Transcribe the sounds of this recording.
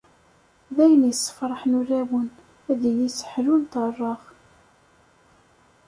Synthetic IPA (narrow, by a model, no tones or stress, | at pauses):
ðæjənjəsˤːə̥fɾˤəħnʊræwən | æðijisə̥ħlunt̪ˤərˤːɑʁ